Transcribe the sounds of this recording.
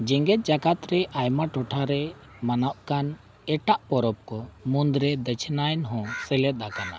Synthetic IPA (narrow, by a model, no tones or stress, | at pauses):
d͡ʒɛŋɡɛt̪̚d͡ʒakat̪ɾɛʔajmaʈɔʈʰaɾɛ | manaʔkan | ɛʈaʔpɔɾɔp̚kɔmund̪ɾɛd̪ət͡ʃʰnajnɦɔ̃sɛlɛt̪̚akana̰